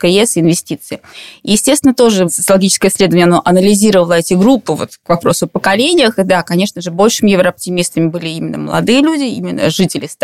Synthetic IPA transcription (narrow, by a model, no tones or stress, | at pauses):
kəɛsɪnvʲɪsʲtʲit̪sɨɪijɪsʲtʲest̪ʲɪnət̪o̞ʐɨsə̥t̪səlˠɐɡʲit͡ɕɪ̥skəjəsʲlʲe̞d̪əvənʲəɐnoʔɐnəlʲɪzʲiɾəvəlˠəɛtʲɪɡɾupːɨvo̰t̪kvɐpɾo̞sʊpəkɐlʲenʲɪjəxɨd̪akɐnʲe̞ʂnəʐɨbo̞lʲʂɨmʲɪjɪvɾəɐp̚tʲɪmʲist̪əmʲɪbɨlʲɪimʲɪnːə̰məlˠɐ̰d̪ɨjəlʲudʲɪḭmʲɪnːə̰ʐɨtʲɪlʲɪst̪